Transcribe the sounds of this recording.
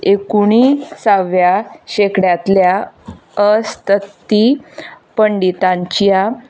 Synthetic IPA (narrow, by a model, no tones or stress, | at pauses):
ekuɳ̃isaʋjaɕekɽjat̪lja | əst̪ət̪ːipəɳɖit̪ãɲt͡ɕija